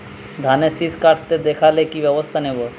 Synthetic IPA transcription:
d̪ʱanesiskaʈt̪ed̪ekʰalekibjɛbost̪ʰanebo

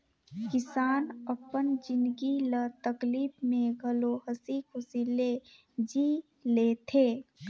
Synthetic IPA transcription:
kɪsaːnəpənd͡ʒɪ̃nd̪ɡilət̪əkliːbmẽɡʱəloɦəsikʰʊsiːle | d͡ʒiː | leːt̪ʰeː

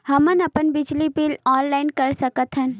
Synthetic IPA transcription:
hɐmənɐpənbɪd͡ʒlibilɔːnlaɪnkəɾsəkət̪ɦən

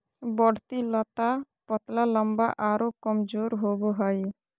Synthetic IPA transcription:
bɔɽ̤t̪ilɔt̪a | pɔt̪lalɔmbaʔaɾokɔmd͡ʒoɾɦoboɦɔj

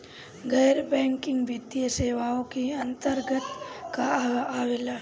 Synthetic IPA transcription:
ɡɛːɾbɛ̃ːŋkɪ̃ŋɡʋjit̪jəseːʋaõkiɐ̃nt̪əɾɡət̪kaaːʋeːla

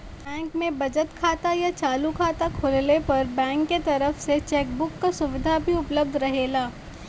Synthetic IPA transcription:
bɛ̃ːŋkmẽbɐd͡ʒət̪kʰaːt̪ajat͡ʃaːlukʰaːt̪akʰoːllepɐɾbɛ̃ːŋkːet̪ɐɾəfset͡ʃɛːk̚bʊkːasʊʋɪd̪ʱabʱiʊpləb̚d̪ʱɾɐɦeːlaː

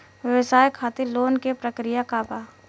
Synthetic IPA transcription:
ʋjəʋɪsaːjkʰaːt̪iloːnkepɾəkɾɪjakaːbaː

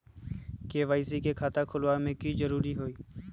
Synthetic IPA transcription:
keːʋaːisikekʰaːt̪akʰʊlamẽkiːd͡ʒəɾuːɾiɦoːiː

